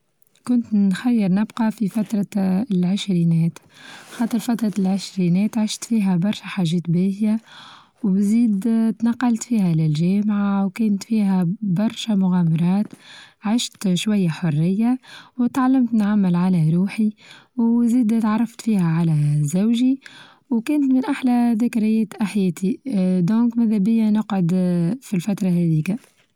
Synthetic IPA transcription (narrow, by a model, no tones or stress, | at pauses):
kʊnt̪nxæjːɪɾnɪbqɑfifæt̪ɾˤɑlʕɪʃɾiːnɛːt̪xɑːt̪ˤəɾˤfat̪ɾˤɑlʕɪʃɾiːnɛːt̪ʕɪʃt̪fiːɦæbɑɾˤʃæħaːʒɛːt̪bæːhja | wbziːd̪t̪nɑqːɑlt̪fiːhælɪlʒɛːmʕawkɛːnt̪fiːɦæbɑɾˤʃæmʊɣæːmɑɾˤɑːt̪ʕɪʃt̪ʃwajːaħorːɪjːawt̪ʕalːɪmt̪nʕamːɪlʕalæɾˤuːħiwziːd̪t̪ʕɑrˤːɑft̪fiːhæʕalæzawʒi | wkɛːnt̪mɪnʔaħlæðæːkɪɾɪjɛːt̪ʔaħjɛːt̪ʰid̪ɔ̃ːŋkmæðæbɪjːanʊqʕʊd̪filfat̪ɾˤɑɦɛðiːka